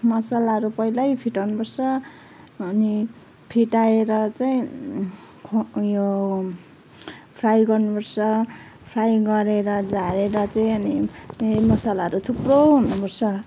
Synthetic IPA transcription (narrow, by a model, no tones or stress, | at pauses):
mʌsalaɦʌɾupʌilajpʰiʈawnupʌrsʰʌː | ni | pʰiʈaeɾʌt͡saĩ | kʰjo | pʰrajɡʌrnupʌrsʌ | pʰrajɡʌɾeɾʌd͡zaɾeɾʌt͡saĩʌni | mʌsalaɦʌɾut̪ʰuproɦunupʌrsʰʌ